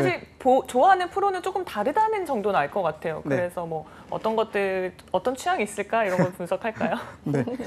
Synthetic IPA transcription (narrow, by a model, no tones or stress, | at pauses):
aɕiɭpot͡ɕoaɦanɯnpʰɯɾonɯnt͡ɕ͈ok͈ɯmtaɾɯdanɯnt͡ɕʌŋdonaɭk͈ʌk͈atʰe̞jo̰kɯɾe̞sʰʌmwʌ | ʌ̰t͈ʌnɡʌt̚t͈ɯ | ʌt͈ʌnt͡ɕʰujaŋis͈ɯɭk͈aiɾʌnŋɡʌɭpunsʰʌkʰaɭk͈ajo